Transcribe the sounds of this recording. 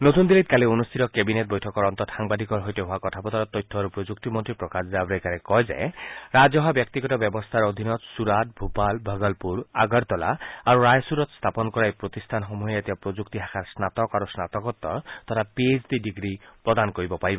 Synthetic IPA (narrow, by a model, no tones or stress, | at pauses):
not̪und̪ilit̪̚kalionust̪ʰit̪ɔkebinet̪̚bɔjʈʰɔkɔɾɔnt̪ɔtaŋbad̪ʱikɔɾɦojteɦoakɔtʰapɔt̪ʰɔɾɔt̪ɔjt̪ʰːɔaɾupɾod͡ʒuk̚t̪imɔnt̪ɾipɾɔkasdabɾekaɾekɔjd͡ʒa̰jɾad͡ʒɔɦabjɔk̚t̪iɡɔtɔbjɔbɔst̪ʰaɾod̪ʱinɔt̪suɾat̪̚ʰbʱupalbʱəɡɔlpuɾaɡɔɾt̪ɔla̰aɾuɾajsuɾɔt̪st̪ʰapɔnkɔɾajpɾot̪ist̪ʰanɦomujet̪ibapɾod͡ʒuk̚t̪iɦakʰaɾsnat̪ɔkaɾusnat̪ɔkɔt̪ːɔ̰t̪ɔtʰapiesbiɖiɡɾipɾɔd̪ankoɾibɔpaɾibɔ